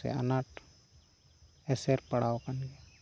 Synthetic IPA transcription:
ḛə̰naʈ | ɛseɾpəɽ̤aːokənɡe

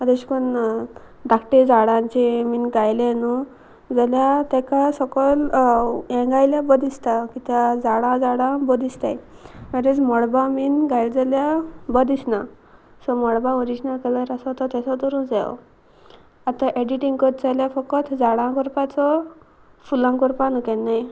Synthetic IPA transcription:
ad̪eɕkɔn | ɖakʈed͡zaɽãnt͡ɕeminɡajlɛnu | d͡zaljat̪ɛ̃kasɔkɔl | ɛ̃ŋɡajljabəd̪ist̪akit̪jad͡zaɽãd͡zaɽãbɔd̪ist̪a̰j | məɾed͡zmɔɽbaminɡajld͡zaljabəd̪isna | sɔmɔɽbaʋɔɾisnakɛlaɾasɔt̪ɔt̪ɛsɔt̪əɾũd͡zɛɔ̰ | at̪ãʔeɖiʈiŋɡkɔt̪̚d͡zaljafɔkɔt̪ʰd͡zaɽãkɔɾpat͡sɔ | fulãŋkɔɾpanukɛnːaj

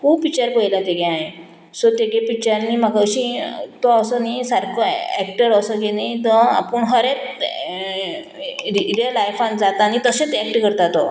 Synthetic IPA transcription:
kuːbpikt͡ɕəɾpojlãt̪eɡẽaɦe | sot̪eɡepik̚t͡ɕaɾnimaɡaɕĩt̪oəsənisaɾkʰoɛkʈəɾəsəɡenajt̪əa̰pəɳɦəɾet͡s | iɾelajfãnd͡zat̪aːñit̪əɕẽt͡sɛk̚ʈkəɾt̪at̪o

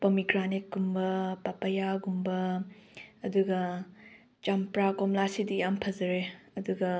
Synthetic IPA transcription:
pomikɾanek̚ɡumbɐpapɐjaɡumbɐː | duɡɐ | t͡ʃampɾakomlasidiampʰɐzɐɾeɐduɡɐ

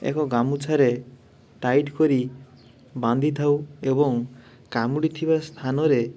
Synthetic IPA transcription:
ḛkɔɡamut͡sʰaɾe | ʈajʈkɔɾi | bãnd̪ʱit̪ʰawebɔŋ | kamuɽit̪ʰibast̪ʰanɔɾe

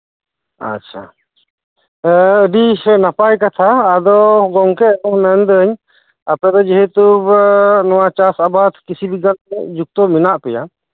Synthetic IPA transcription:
a̰t͡ʃʰa̰ | əɖisɛnapajkat̪ʰaːd̪ɔɡɔŋkɛnunɛnd̪əɲ | apɛd̪ɔd͡ʒɛɦɛt̪ubnɔwat͡ʃasabat̪kisibiɡanɛʔd͡ʒuk̚t̪ɔminaʔpɛja̰

